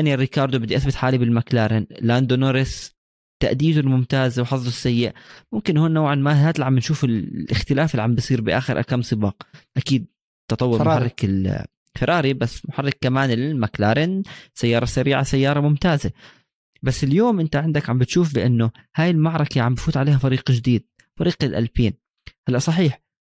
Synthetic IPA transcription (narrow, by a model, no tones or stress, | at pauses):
ʔanirːɪkɑːɾˤd̪ubɪd̪ːiʔaθbɪt̪ħaːlibɪlmaklaːɾˤɪnland̪onoːɾɪs | t̪aʔd̪iːd̪ʊlmʊmt̪aːzwħɑsˤːʊsːajːɪʔmʊmkɪnhoːnːawʕanmaðaːt̪lʕambɪnʃuːfɪlʔɪxt̪ɪlaːfɪlːiʕambɪsˤiːɾbɪʔa̰ːxɪɾʔa̰kaːmsˤɨbɑːqʔakiːd̪̚ | t̪ɑt̪ˤɑwːʊɾmarˤːɪkɪl | fɪɾˤɑːɾibasːmʊħarˤːɪkːamaːnɪlmaklaːɾɪnsajːɑːɾˤɑsaɾiːʕasajːɑːɾˤɑmʊmt̪aːza | basːɪljoːmʔɪnt̪aʕɪnd̪akʕambɪt̪ʃuːfbɪʔɪnːʊ | haːjɪlmaʕɾˤɑkaʕambfuːt̪ʕaleːhafɑɾiːqd͡ʒɪd̪iːd̪̚ | fɑɾiːqɪlʔa̰lfiːn | halːaʔsˤɑħiːħ